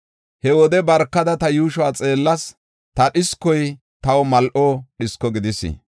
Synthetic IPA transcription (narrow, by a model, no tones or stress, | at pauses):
hɛwɔd̪ɛbɐɾkːɐd̪ɐt̪ɐjuːʃʊwaːt͡sʼe̞ːlːɐs | t̪ɐɗɪskːɔj | t̪ɐwɔmɐlʔɔɗɪskːɔɡɪd̪ɪsɪ̰